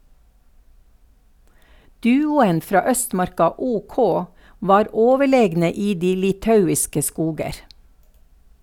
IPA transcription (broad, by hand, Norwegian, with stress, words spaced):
ˈdʉːʊən ˈfɾɑː ˈœstˌmɑɾkɑ ˈuːˌkɔ ˈʋɑːɾ ˈoːʋəˌɭeːɡnə ˈiː ˈdiː lɪˈtɑʉɪskə ˈskuːɡəɾ